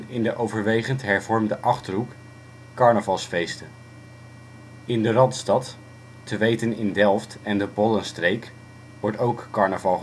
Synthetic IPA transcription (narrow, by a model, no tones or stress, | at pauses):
ɪndəʔowvəɹʋejχəntɦɛɹvɔɹmdəʔɑχtərɦuk | kɑɹnəvɑlˠsfejstə | ɪndərɑntstɑtː | əʋejtənɪndɛlˠftɛndəbɔlənstrejk | ʋɔɹtowkːɑɹnəvɑlˠ